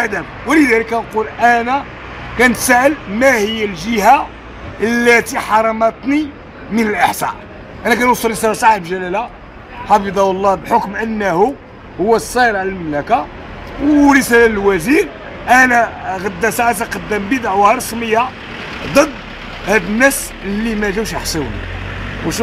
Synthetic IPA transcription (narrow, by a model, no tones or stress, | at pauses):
d̪əmwələd̪æləkænqulʔænæ | kænt̪sæʔəlmæhəjːəlʒəha | əlːæt̪iħɑɾˤɑmɑt̪ˤni | mənəlʔəħsæ̰ | ʔænækænwʊsˤəlɾəsælsˤɑħbʒælæla | ħɑfəd̪ˤɑwəlˤːɑbħokmʔənːhu | hʊwːæsˤːɑjɾʕlælməmlæka | wɾəsælæləlwæziɾ | ʔænæɣɑd̪ːæsaʕæt̪̬aqɑd̪ːæmbəd̪aʕwhɑɾˤsməjːa | d̪ˤəd̪ː | hæd̪ənːæs | əlːimæʒæwʃjəħsˤewnḭwʃ